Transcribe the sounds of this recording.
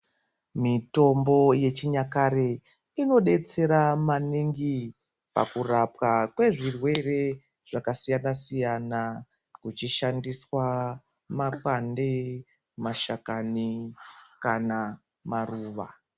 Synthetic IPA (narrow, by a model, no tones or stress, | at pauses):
mito̞mbo̞je̞t͡ʃiɲakaɾe | ino̞ɗe̞t͡se̞ɾamaniŋɡi | pa̰kurapkakwe̞ʐirwe̞re̞ | ʐ̥akasijanasijana | kut͡ʃiʃandiswa | makande | maʃakani | kana | maruːʋa̰